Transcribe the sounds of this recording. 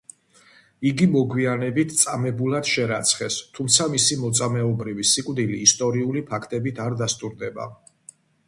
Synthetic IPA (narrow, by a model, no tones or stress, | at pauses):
iɡimɔɡwianɛbit̪ʰt̪sʼamɛbulad̪̥ʃɛɾat̪sʰχɛst̪ʰumt̪sʰamisimɔt̪sʼamɛɔbɾivisikʼvd̪iliːst̪ʼɔɾiulipʰakʰt̪ʼɛbit̪ʰaɾd̪ast̪ʼuɾd̪ɛba̰